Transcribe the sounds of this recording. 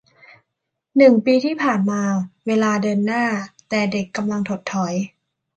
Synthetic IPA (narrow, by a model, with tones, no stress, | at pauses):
nɯ˨˩ŋpiː˧t̪ʰiː˥˩pʰaː˨˩nmaː˧weː˧laː˧dɤː˧nːaː˥˩t̪ɛː˨˩de˨˩kːa˧mla˧ŋt̪ʰo˨˩t̪ʰːɔ˩˦j